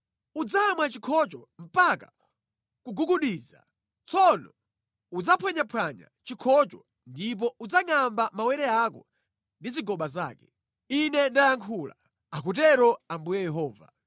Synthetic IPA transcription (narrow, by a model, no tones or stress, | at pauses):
ud͡zamwat͡ʃikʰɔt͡ʃɔm̩paka | kuɡuɡuɗiːza̰ | t͡sʰɔnɔ̰ | ud͡zapʰwɛɲapʰwaɲa̰t͡ʃikʰɔt͡ʃɔ | ndip̬ɔud͡zaŋambamawɛɾɛakɔ̰ | ndiziɡɔɓaza̰ːkɛ | inɛndajaŋkʰuːla̰ | akut̬ɛɾɔambujɛjɛɦɔːva̰